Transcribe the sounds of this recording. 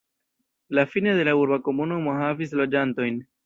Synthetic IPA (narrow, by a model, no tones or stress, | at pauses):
lafinede̞lauɾbako̞munumo̞havis̬lo̞d͡ʒanto̞jn